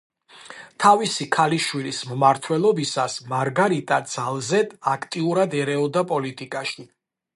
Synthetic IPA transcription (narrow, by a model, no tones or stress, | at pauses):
t̪ʰavisikʰaliʃwilismmaɾt̪ʰwɛlˠɔbisasmaɾɡaɾit̪ʼad̪z̥alˠzɛd̪akʰt̪ʼiuɾad̪ɛɾɛɔd̪apʼɔlit̪ʼikʼaʃi